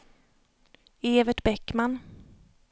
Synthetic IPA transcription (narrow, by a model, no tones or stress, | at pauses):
eːvəʈbɛkːman